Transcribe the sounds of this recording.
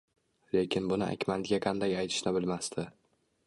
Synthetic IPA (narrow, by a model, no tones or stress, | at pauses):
le̞kʲʰɪnbʊnɪa̰kʲmant̪ɡʲaqʰɑnd̪ajajt̪ʰɪ̥ʃnɪbɪlmast̪ʰɪ